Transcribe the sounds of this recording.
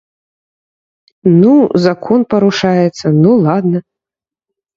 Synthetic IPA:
nuzakʰɔnpɐɾuʂajɛt̪sːɐnulˠad̪nɐ

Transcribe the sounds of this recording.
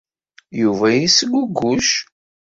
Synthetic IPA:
juvæjisəɡʷuɡːuʃ

